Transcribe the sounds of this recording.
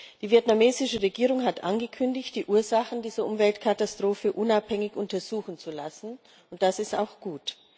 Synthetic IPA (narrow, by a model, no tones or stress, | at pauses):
d̥iːviɛtnameːzɪʃəʁeɡiːʁʊŋɦatʔanɡəkʰʏndɪçt̚d̥iːʔuːɐzaχn̩diːzɐʔʊmvɛltkʰatastʁ̥oːfəʔʊnaphɛŋɪçʔʊntɐzuːxn̩t͡sulasn̩ | ʊnt̚d̥asɪsta̰ʊxɡ̥uːt